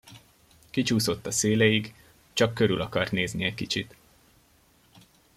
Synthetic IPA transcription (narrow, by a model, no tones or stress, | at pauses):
kit͡ʃuːso̞t̪ːɒseːlejiɡ | t͡ʃɒkːø̞ɾylɒkɒrt̪neːzniɛckit͡ʃit̪